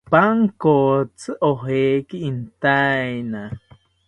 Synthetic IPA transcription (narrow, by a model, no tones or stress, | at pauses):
paŋkot͡sʰɨʔoɦekiint̪ajna